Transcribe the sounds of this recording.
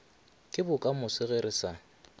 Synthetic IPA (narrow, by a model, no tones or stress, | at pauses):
kʼɪbʊkʼamʊsɪɣeɾɪsa